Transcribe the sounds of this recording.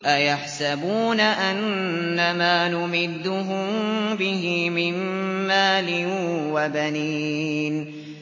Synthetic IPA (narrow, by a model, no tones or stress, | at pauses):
ʔajaħsabuːnaʔanːamaːnʊmɪd̪ːʊɦʊmbɪɦɪmɪnːaːlɪnwabanin